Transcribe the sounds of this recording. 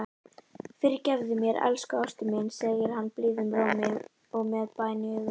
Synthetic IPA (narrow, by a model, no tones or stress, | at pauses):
fɪɾcɛvðɪmjɛɾɛ̰lskawst̪ɪmɪːnsɛɣjɪɾ̥hanːplɪːðʏmɾaːwmɪɣ | ɔɣmɛðpaːjnɪʏɣʏ